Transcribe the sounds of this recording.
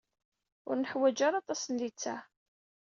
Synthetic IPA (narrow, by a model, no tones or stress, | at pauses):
ʊ̰ɾnəħwæd͡ʒaɾɑt̪ˤɑsənlit͡sːæ